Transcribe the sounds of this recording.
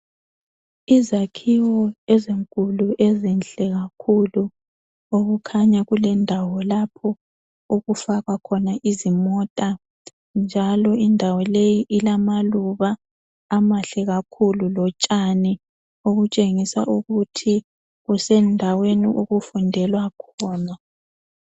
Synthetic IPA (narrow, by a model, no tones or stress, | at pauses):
izakʰiwɔɛziŋkʼuluʔezɛnɬʼɛɣakʰulu | oɣukʰaɲaɣulɛndʱawɔlapʰɔ | uɣufaɣakʰɔnaʔizimɔtʼa | nd͡ʒʱalɔindʱawɔlejiʔilamaluβaː | maɬɛɣakʰululɔt͡ʃʼani | oɣut͡ʃʼeŋisa̰ʔuɣutʰi | ɣusɛndʱaweniʔuɣufundʱɛlwakʰɔːna